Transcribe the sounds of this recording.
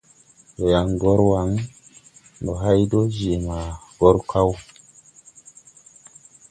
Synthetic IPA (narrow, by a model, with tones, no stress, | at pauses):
jo˨ja˨ŋɡo˦ɾwa˨˦ŋ | do˨ɦa˦jdo˦d͡ʒe˨ma˨ɡo˦ɾkʰa˦w